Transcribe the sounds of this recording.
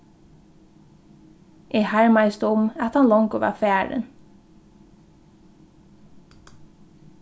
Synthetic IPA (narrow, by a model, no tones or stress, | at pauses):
ʔehæɹmaɪst̪əʊmæt̪hɑnlɔŋkʊʋɑ̰ːfæːɹə̰n